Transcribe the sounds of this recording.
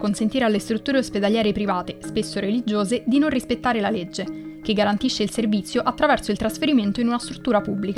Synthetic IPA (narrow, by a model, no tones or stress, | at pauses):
konsent̪iːɾealːest̪ɾut̪ːuːɾeosped̪aljɛːɾepɾivaːt̪espesːoɾelid͡ʒoːzed̪inonrispet̪ːaːɾelaled͡ʒːekeɡːaɾant̪iʃːeilservit̪sjoʔat̪ːɾavɛrsoilt̪ɾasfeɾiment̪oinunast̪ɾut̪ːuːɾapubːlika